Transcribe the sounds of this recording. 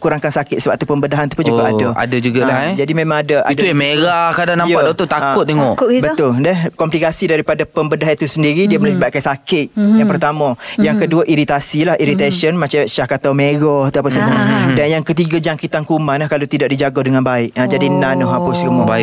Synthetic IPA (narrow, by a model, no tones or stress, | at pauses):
kuɾaŋkansakɪt̪̚səbap̚t̪upəmbədaɦant̪u̥pund͡ʒuaʔadaa̰dad͡ʒuɡalad͡ʒadimẽmãŋadəʔa̰idauameɾakadanãjatdɔt̪ot̪aʊt̪̚ːeŋɔʔkbət̪ʊldɛhkɔmplikasidaɾipadapəmbədaɦait̪usəndiɾidiəməlabaiʔkansakɪt̪̚jaŋpərt̪amə̃jaŋkəduaʔiɾit̪asilahiɾit̪asənmat͡ʃaʃahkat̪awmeɡɔht̪uapasəmuədanjaŋkət̪̬iɡad͡ʒaŋkit̪ankumaŋnlahkalot̪idaʔ̚did͡ʒaɡɔdəŋanbaɪʔad͡ʒadinanɔhapʊskəmɔba